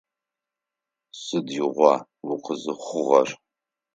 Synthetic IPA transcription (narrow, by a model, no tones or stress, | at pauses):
sɨdjɪʁʷɑ | wʊqəzɨχʷʊʁɐr